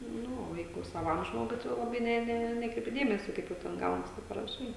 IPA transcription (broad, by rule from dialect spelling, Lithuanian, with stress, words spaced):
ˈnʊ oː ˈjɛɪɡʊ sɐˈʋɐm ˈʒmoːɡʊɪ ˈtɐɪ jɛʊ lˠɐˈbɐɪ ˈnʲɛ ˈnʲɛ ˈnʲæːkrʲɛɪpʲɪ ˈdʲeːmʲɛsʲoː ˈkɐɪp jɛʊ ˈtʲɛn ˈɡɐʊnɐs ˈtɐɪp pɐrɐˈʃɐɪ